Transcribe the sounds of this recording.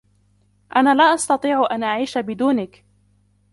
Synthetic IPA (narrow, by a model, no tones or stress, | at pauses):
ʔanaːlaːʔɑst̪ɑt̪ˤiːʕʊʔanʔaʕiːʃabɪd̪uːnɪk